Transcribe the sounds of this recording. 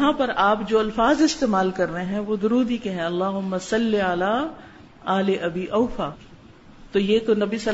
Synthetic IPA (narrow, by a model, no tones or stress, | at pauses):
ɦãpɐɾaːpd͡ʒoːɐlfaːzɪst̪eːmaːlkɐɾːɐɦẽɦɛ̃ʋod̪ʊɾuːd̪ikeɦɛ̃ɐlːaːɦʊmːasɐlːiɐlaː | ɐːleʔɐbiːʔɐːfaː | t̪ojeːkonɐbisɐ